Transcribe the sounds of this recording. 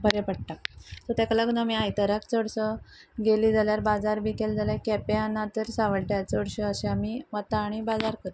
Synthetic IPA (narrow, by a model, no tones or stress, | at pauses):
bʱəɾepəɽʈ̪ak̚t̪ət̪akalaɡunəmiːajt̪əɾak̚t͡səɽsəɡeliːd͡zaljaɾbad͡zaɾbikeld͡zaljaɾkɛpeanːat̪əɾsaʋəɭʈjat͡səɽɕəəɕeamiʋat̪aɽ̃ibad͡zaɾkət̪